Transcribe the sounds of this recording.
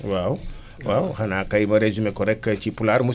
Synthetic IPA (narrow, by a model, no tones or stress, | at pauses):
waw | wawhanakajmɐɾezumekoɾɛkːt͡ʃipulaɾmu